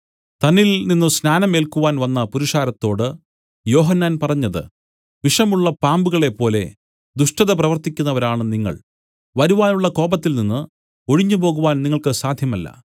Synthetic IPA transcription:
t̪ɐnilninːɨsnaːnɐmeːlkuʋaːnʋɐnːɐpuɾiʂaːɾɐt̪ːo̞ːɽɨ | jo̞ːɦɐnːaːnpɐrɐɲːɐðɨ̰ | ʋiʂɐmuɭːɐpaːmbuɣɐɭe̞pːo̞ːle̞̰ | d̪uʂʈɐðɐp̬rɐʋɐrt̪ikʲːunːɐʋɐɾaːɳɨniŋːɐ̰ɭ | ʋɐɾuʋaːnuɭːɐko̞ːbɐt̪ːilninːɨ | o̞ɻiɲːupoːɣuʋaːnniŋːɐɭkɨsaːd̪ʱjɐmɐlːɐ̰

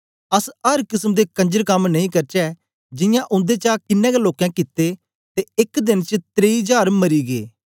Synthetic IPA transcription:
ɐsɐɾkɪsəmd̪ekɐ̃ɲd͡ʒəɾkɐmnɐ̃ĩkɐɾt͡ʃɛː | d͡ʒɪ̃jãʔʊ̃nd̪et͡ʃakɪnːɛ̃ɡeloːkãːkɪt̪ːe | t̪eɪkd̪ɪnt͡ʃt̪ɾeid͡ʒaːɾmɐɾiːɡḛː

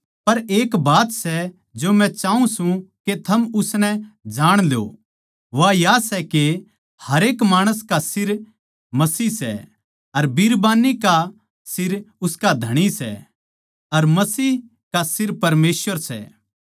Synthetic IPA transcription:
pɐɾeːkbaːt̪sɛ | d͡ʒomɛ̃t͡ʃaːũsũket̪ʰɐmʊsnɛd͡ʒaːɽ̃lo̰ | ʋajasɛke | hɐɾeːkmaːɽ̃əs̬kasɪɾ | mɐsiːɦsɛ̰ | ɐɾbiːɾbaːnika | sɪɾʊskad̪ʱɐɽ̃isɛ̰ | ɐɾmɐsiːɦ | kasɪɾpɐɾmeːsʋəɾsɛ̰

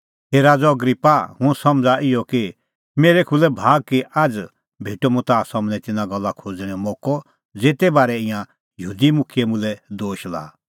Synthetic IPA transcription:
ɦeːɾaːd͡zɔɐɡɾipːahʊ̃sɐ̃md͡zaʔɪjɔki | meːɾɛkʰulɛbʱaːɡ̚kiaːd͡z | bʱeːʈɔmũt̪aːsɐmnɛ̃t̪ɪnaɡɐlːakʰoːd͡zɽ̃ɛ̃mɔːkɔ | d͡zeːt̪ɛbaːɾɛɪ̃jã | jəɦuːd̪imʊkʰjɛmʊ̃lɛd̪oːʃla̰ː

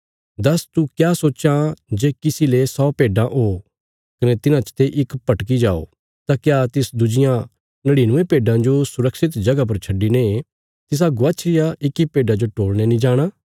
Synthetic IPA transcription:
d̪ɐst̪ukjaːsoːt͡ʃad͡ʒeːkɪsilesɔːpeːɖãʔɦoː | kɐnɛt̪ɪnãt͡ʃt̪eʔɪkpɐʈkid͡ʒaːo̰ | t̪akjaːt̪ɪsd̪ʊd͡ʒɪjã | nɐɽinʊ̃ʋẽpeːɖãd͡ʒosʊɾəkʃɪt̪d͡ʒɐɡap̬ɐɾt͡ʃʰɐɖːine | t̪ɪs̬aɡʊʋaːt͡ʃʰɾɪjaɪkːipeːɖãd͡ʒoʈoːɭnenĩd͡ʒaːɽ̃aː

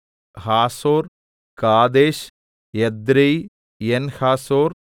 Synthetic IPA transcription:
haːsoːɾ | kaːd̪eːʃ | ɛd̪ɾej | enhaːsoːɾ

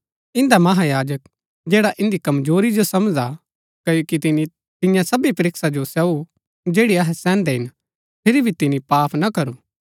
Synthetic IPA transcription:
ɪ̃nd̪amɐɦajaːd͡ʒək | d͡ʒeːɽaʔɪ̃nd̪ikɐmzoːɾid͡ʒosɐmd͡ʒa | kɐjokit̪ɪni | t̪ɪ̃jãsɐbipɐɾɪksad͡ʒosɛu | d͡ʒeːɽiɐɦɛsɛ̃ːnd̪ɛɦɪn | pʰɪɾibʱit̪ɪnipaːpʰnɐkɐɾuː

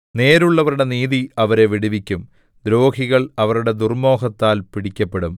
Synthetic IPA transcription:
ne̞ːɾuɭːɐʋɐɾuɽe̞niːðiɐʋɐɾe̞ʋiɽiʋikʲːum | d̪ɾo̞ːhiɣɐɭɐʋɐɾuɽe̞d̪urmo̞ːɦɐt̪ːaːlpiɽikʲːɐpːe̞ɽum

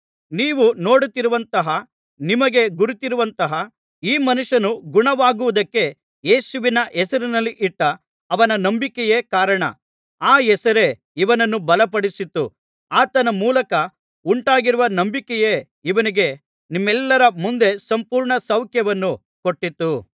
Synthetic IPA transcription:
niːʋuno̞ːɽut̪ːiɾuʋɐnt̪ɐɦɐ | nimɐɡe̞ɡuɾit̪iɾuʋɐnt̪ɐɦɐ | iːmɐnuʂɐnuɡuɳɐʋaːɡuʋud̪ɐkːe̞ | jeːsuʋinɐʔɛsɐɾinɐlːiʔiʈːɐː | ʋɐnɐnɐmbikɛjeːkaːɾɐɳɐ̰ | aːɛsɐɾe̞ | iʋɐnɐnːubɐlɐpɐɽisit̪ːu | aːt̪ɐnɐmuːlɐkɐ | uɳʈaːɡiɾuʋɐnɐmbikɛje | iʋɐniɡe̞ | nimːɛlːɐɾɐmund̪e̞sɐmpuːɾɳɐsɐwkʰjɐʋɐnːu | koʈːit̪ːu

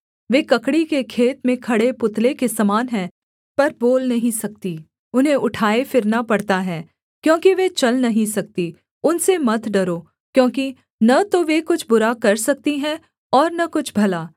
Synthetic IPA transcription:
ʋeːkɐkɽikekʰeːt̪mẽkʰɐɽepʊt̪lekesɐmaːnɦɛ̃ː | pɐɾboːlnɐɦĩsɐk̚t̪i | ʊnɦẽʔʊʈʰaːefɪɾnapɐɽt̪aɦɛː | kjõːkiʋet͡ʃɐlnɐɦĩsɐk̚t̪i | ʊnsemɐt̪ʰɖɐɾoː | kjõːki | nɐt̪oʋekʊt͡ʃʰbʊɾakɐɾsɐk̚t̪iɦɛ̃ | ɔːɾnɐkʊt͡ʃʰbʱɐlaː

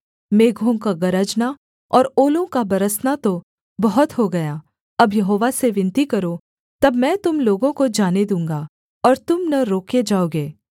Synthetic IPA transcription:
meːɡʱõkaɡɐɾəd͡ʒna | ɔːɾoːlõkabɐɾəsnat̪o | bɐɦʊt̪ɦoɡɐjaː | ɐbjɐɦoːʋaseʋɪ̃nt̪ikɐɾo | t̪ɐbmɛ̃ːt̪ʊmloːɡõkod͡ʒaːned̪ũːŋ̆ɡa | ɔːɾt̪ʊmnɐɾoːked͡ʒaːoːɡeː

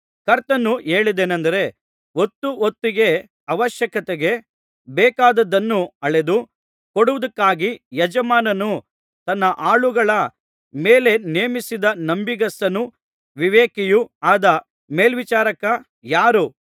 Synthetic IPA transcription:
kɐɾt̪ɐnːuʔe̞ːɭid̪eːnɐnd̪ɐɾe̞ | ot̪ːuot̪ːiɡe̞ | ɐʋɐʃjɐkɐt̪eɡe̞ | bɛːkaːd̪ɐd̪ɐnːuɐɭe̞d̪u | koɽuʋɐd̪ɐkːaːɡijɐd͡ʒɐmaːnɐnu | t̪ɐnːɐʔaːɭuɡɐɭɐ | meːle̞neːmisid̪ɐnɐmbiɡɐsɐnu | ʋiʋeːkijuaːd̪ɐ | me̞ːlʋit͡ʃaːɾɐkɐ | jaːɾu

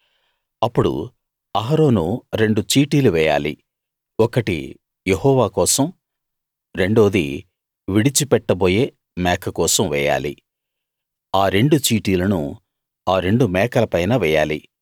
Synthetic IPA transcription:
ɐpːuɽṵ | ɐɦɐɾo̞ːnuɾe̞ɳɖut͡ʃiːʈiːluʋɛːja̰ːlḭ | ɔkɐʈḭ | jeɦɔːʋaːkɔːsɐm | ɾe̞ɳɖoːd̪ḭ | ʋiɽit͡ʃipɛʈːɐboːje̞ː | mɛːkʰɐkɔːsɐmʋɛːja̰ːlḭ | aːɾe̞ɳɖut͡ʃiːʈiːlɐnṵ | aːɾe̞ɳɖumɛːkɐlɐpɐjnɐʋɛːja̰ːlḭ

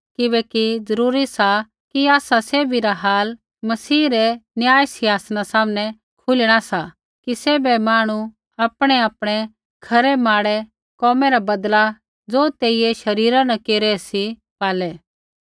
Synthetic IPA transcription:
kɪbɛːkid͡zɐɾuːɾisa | kiaːsaseːbʱiɾaɦaːl | mɐsiːɾɛnjaːjsɪaːsnasaːmnɛ̃ | kʰʊlɽ̃asa | kiseːbɛmaːɽ̃u | aːpɽ̃ɛaːpɽ̃ɛ | kʰɐɾɛmaːɽɛ | kɔːmɛɾabɐd̪la | d͡zoːt̪eːijeʃɐɾiːɾãnɐ̃keːɾɛsi | paːlɛː

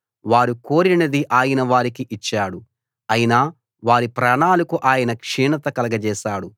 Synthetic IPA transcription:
ʋaːɾuko̞ːɾinɐd̪iʔaːjɐnɐʋaːɾikiʔit͡ʃːaːɽu | ɐjinaː | ʋaːɾipɾaːɳaːlɐkuʔaːjɐnɐkʂiːɳɐt̪ɐkɐlɐɡɐd͡ʒɛːʃaːɽu

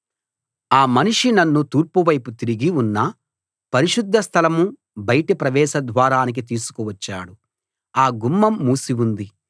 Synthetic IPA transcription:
aːmɐniʂinɐnːut̪uːɾpuʋɐjput̪iɾiɡiunːɐ | pɐɾiʂud̪ʱːɐst̪ʰɐlɐmu | bɐjʈipɾɐʋɛːʃɐd̪ʋaːɾaːnik̬it̪iːsu̥kuʋɐt͡ʃːa̰ːɽu | aːɡumːɐmːuːsiʋund̪i

